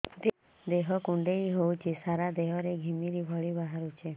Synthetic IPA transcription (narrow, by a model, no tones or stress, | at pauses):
d̪ | d̪eɦɔkuɳɖeiɦowt͡ʃʰisaɾad̪eɦɔɾeɡʱimiɾibʱɔɭibaɦaɾut͡ʃʰe